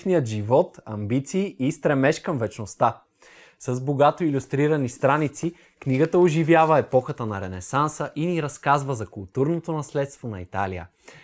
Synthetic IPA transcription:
nijət̪ʒivɔt̪ɐmbit̪siːʔːst̪ɾɛmɛʃkɐmvɛt͡ʃnost̪a | sɐzboɡat̪oilʲust̪ɾiɾɐnist̪ɾanit̪si | kniɡət̪əoʒivjavəɛpɔxət̪ənɐɾɛnɛsansəʔiniɾɐskazvəzɐkʊlˠt̪uɾnot̪onɐslɛt̪st̪vonɐit̪a̰lijə̰

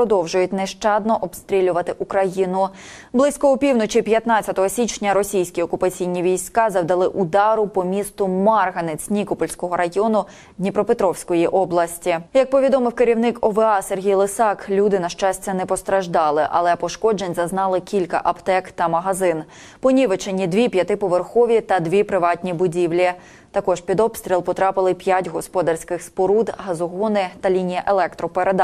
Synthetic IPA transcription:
ɾɔd̪ɔwʒʊjʊtʲnɛʃt͡ʃɑd̪̚nɔʔɔbst̪ɾʲilʲʊʋɐt̪ɪʔukɾɐjinʊ | blˠɪsʲkɔʊpʲiwnɔt͡ʃipjɐt̪nɑt͡sʲt͡sʲːɐt̪ɔɦɔsʲit͡ʃnʲɐɾɔsʲijsʲkʲiɔkʊpɐt͡sʲijnʲiʋʲijsʲkɑzɐwd̪ɐlˠɪʔʊd̪ɑɾʊpɔmʲist̪ʊmɑrɦɐnet͡sʲnʲikɔpɔlʲsʲkɔɦɔɾɐjɔnʊ | d̪ʲnʲipɾɔpet̪ɾɔwsʲkɔjiʔɔblˠɐsʲtʲijɐk̚pɔʋʲid̪ɔmɪwkeɾʲiwnɪkɔʋɛɑserɦʲijlˠesɑklʲud̪ɪnɐʃt͡ʃɑsʲtʲɐnɛpɔst̪ɾɐʒd̪ɑlˠɪʔɐ̰lˠɛpɔʃkɔd͡ʒenʲzɐznɑlˠɪkʲilʲkɐ̰ʔɐpt̪ɛkt̪ɐmɐɦɐzɪn | pɔnʲiʋet͡ʃenʲːid̪ʋʲipʲjɐt̪ɪpɔʋerxɔʋʲit̪ɐd̪ʋʲipɾɪʋɑtʲnʲibʊdʲiwlʲi | t̪ɐkɔʒpʲid̪ɔbst̪ɾʲilˠpɔt̪ɾɑpɪlˠɪpʲjatʲɦɔspɔd̪ɐrsʲkɪxspɔɾud̪ɦɐzɔɦɔnɪt̪ɐlʲinʲijɐʔelˠɛkt̪ɾɔpeɾed̪

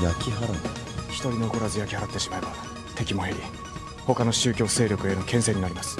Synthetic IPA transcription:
jakʲiɦaɾano | çi̥t̪o̞ɾʲinookoɾazɨjakʲihaɾat̪ːe̞ɕi̥maeba | t̪e̞kʲimo̞ɦeɾʲi | ho̞kano̞ɕɨːkʲo̞ːse̞ːɾʲjo̞kɯ̟enokẽ̞ɰ̃sẽ̞ɲːinaɾimasɨ̥

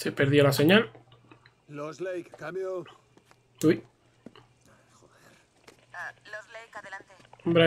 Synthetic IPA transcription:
sepeɾðjolase̞ɲal | lozlejkkamjo | t̪ui | eɾ | bɾa

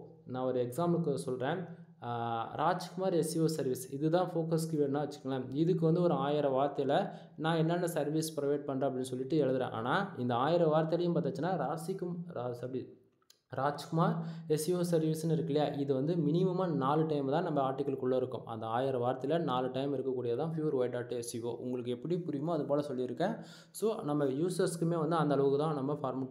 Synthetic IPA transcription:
nãːɔɾɯɛksaːmlɯkːɯsɔlɾẽː | ɾʔaːt͡ʃkʊmaːɾɛsɪjoːsɐɾʋisɪðɯt̪ãːfoːkɐskɪʋeːɾnãːʋɐt͡ʃːɯ̥kːɡɐlɐ̃ɪðɯkːɯʋɐnd̪ɯɔɾɯaːjɪɾɐʋaːɾt̪ɐjɐlɐ | nãːɛnːɐnːɐsɐɾʋiːspɪɾɪʋɐɪʈ̚pɐɳːrãːɐp̬ːɐɽɪnːɯsɔlːɪʈːɯɛɻɯðɯɾḛ̃ːʔa̰ːnaːɪnd̪ɐaːjɪɾɐʋaːɾt̪ɐjɐlɐjʊ̃mpaːɾt̪ːɐt͡ʃːɪnːaːɾaːsɪkːɐi | ɾaːd͡ʒkʊmaːɾɛsɪoːsɐɾʋiːsɯnɪɾɯkːɪlɪjaːʔɪðɯʋɐnd̪ɯmɪnɪmɐmaːnaːlɯʈɐɪmt̪ãːnɐmːɐaːɾʈɪkːɐlkʊɭːɐɪɾɯkːʊ̰̃mʔɐ̰nd̪ɐaːjɪɾɐʋaːɾɐt̪ːɪlɐnaːlɯʈɐɪmɪɾɯkːɐkːuːɽɪjɐt̪ãːfjuːʋɐɾʋɐɪʈaːʈːɯɛsɪʋo̰ːʔʊ̰ŋɡɐɭɯkːɛpːɐɽipʊɾɪjɯmãːɐðɯpoːlɐsɔlːiɪɾɯkːẽː | soːnɐmːɐjuːsɐɾskɯmeːʋɐnd̪ɯɐnd̪ɐɭɐʋɯkːɯt̪ãːnɐmːɐfaːɾm

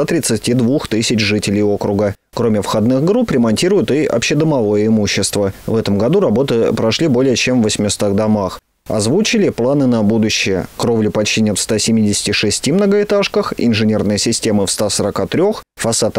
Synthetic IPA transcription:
at̪ɾʲɪt̪sɨtʲid̪vuxt̪ɨsʲɪt͡ɕʐɨtʲɪlʲɪjo̞kɾʊɡə | kɾo̞mʲɪfxɐd̪nɨxɡɾupɾʲɪmɐnʲtʲiɾʊjʊt̪ɨɐ̰pɕɪd̪əmɐvo̞jəɪmuɕːɪst̪vəvɛt̪əmɡɐd̪uɾɐbo̞t̪ɨpɾɐʂlʲibo̞lʲɪjət͡ɕemvːəsʲmʲɪst̪aɣd̪amax | ɐ̰zvut͡ɕɪlʲɪplˠanɨnɐbud̪ʊɕːɪjəkɾo̞vlʲʊpɐt͡ɕinʲɪt̪fst̪asʲɪmʲidʲɪsʲɪ̥tʲɪʂɨsʲtʲimnəɡəɪt̪aʂkəxɪ̰nʐɨnʲe̞rnɨjəsʲɪsʲtʲe̞mɨfst̪asəɾɐkat̪ɾʲo̞xfɐsat̪

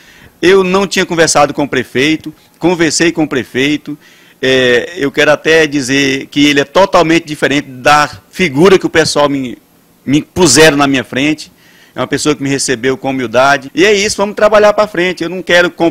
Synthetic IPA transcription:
ewnɐ̃w̃t͡ʃĩɲɐkõveɾsad̪ʊkõʊpɾefejt̪ʊ | kõveɾsejkõʊpɾefejt̪ʊ | ɛewkɛɾʊat̪ɛd͡ʒizeɾkɪelɪɛt̪ɔt̪awmẽnt͡ʃ̪ɪd͡ʒifeɾẽnt͡ʃɪɪd̪afiɡuɾɐkɪʊpesuawmɪ | mɪpuzɛɾɐnɐmĩɲɐfɾẽt͡ʃɪ̥ | ɛũɐpesoɐkɪmɪhesebewkõmiwd̪ad͡ʒɪɪɛisʊvɐ̃mʊst̪ɾabaʎaɾpɾafɾẽnt͡ʃɪewnɐ̃w̃kɛɾʊkõ

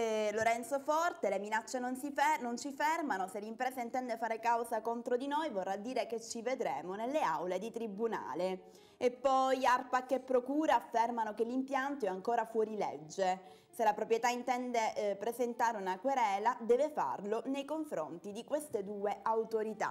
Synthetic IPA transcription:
ɛloɾɛnt̪sofɔrt̪eleminat͡ʃːenonsifɛnont͡ʃifɛrmanoselːimpɾɛːzaint̪ɛnd̪efaːɾekawzakont̪ɾod̪inojvorːad̪ːiːɾeket͡ʃːived̪ɾeːmonelːea̰wled̪it̪ɾibuna̰ːle | epːɔjarpakːepːɾokuːɾaːfːermanokelːimpjant̪oɛaŋkoːɾafwɔːɾilḛd͡ʒːe | selapɾopɾjet̪aint̪ɛnd̪epɾezent̪aːɾeunakweɾɛːlad̪ɛːvefa̰rlonejkoɱfɾo̰nt̪id̪ikwest̪ed̪uːeawt̪oɾit̪a̰

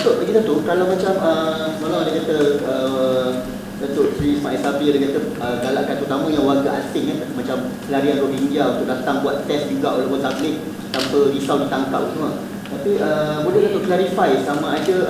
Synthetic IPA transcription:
t̪ʊʔlaɡit̪ət̪ukɾalawmãt͡ʃaməmalaadakat̪əə | d̪ət̪ʊʔsɾismãʔɛsapiadakat̪ə | əɡala̰ʔkant̪əɾut̪amə̃jãŋwaɡaʔasɪʔkanmãt͡ʃamkəlaɾianɡobind͡ʒiaunt̪ʊʔ̚dat̪aŋbuat̪t̪ːɛsd͡ʒuɡaʔolapə̃nt̪aɡlɪʔ̚ | t̪ampədisawdit̪aŋka̰p̚sumə | t̪apiəbulɛhd̪at̪uklaɾifajsamãadə

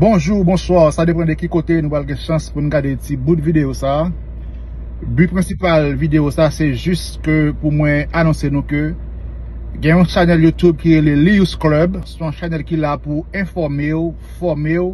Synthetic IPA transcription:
bɔ̃ʒubɔ̃swaʁsadepɑ̃d̪ekikot̪enũpalɡɛ̃ʃɑ̃spunũɡadetibud̪vid̪eosaː | bypʁɛ̃sipalvid̪eosasɛʒys | køpumwɛ̃anɔ̃senũkø | ɡɛ̃jɔ̃ʃanɛljut̪ub̚kiʁeleliusklœbsɔ̃ɔ̃ʃanɛlkilapuɛ̃fɔʁmeo | fɔʁmeo

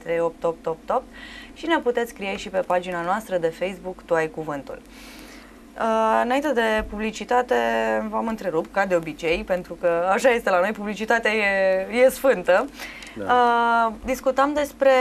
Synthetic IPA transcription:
t̪ɾejop̚t̪op̚t̪op̚t̪op̚t̪ʃine̞put̪e̞t̪sʲkɾijeʃipe̞pad͡ʒinanoast̪ɾəd̪e̞fe̞jsbukt̪uajkuvɨnt̪ṵl | əɨnaint̪e̞d̪e̞publit͡ʃit̪at̪e̞vamɨnt̪ɾe̞ɾupkad̪e̞o̞bit͡ʃe̞jpe̞nt̪ɾukəaʃajest̪e̞lano̞jpublit͡ʃit̪at̪eajeje̞sfɨnt̪ə | əd̪iskut̪əmd̪e̞spɾe̞

